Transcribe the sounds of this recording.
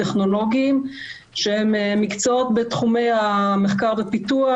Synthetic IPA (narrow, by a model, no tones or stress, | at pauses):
teχno̞lo̞ɡiim | ʃehemmːikt͡soot̪betχume̞jameχkaʁvepit̪ua